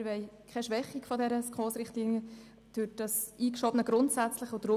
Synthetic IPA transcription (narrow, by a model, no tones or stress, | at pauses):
ʋɛɪkʰɛʃʋɛχːikfɔdɛɾəskχoːsɾɪχtliːnjə | d̥yːt̚dɑsiːkʃɔb̥ənəɡɾʊntsæt͡slɪχʊd̥ɾʊ